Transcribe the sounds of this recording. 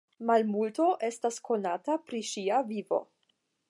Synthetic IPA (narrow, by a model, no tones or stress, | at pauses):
malmulto̞ʔe̞staskʰo̞natapɾiʃiavivo̞̰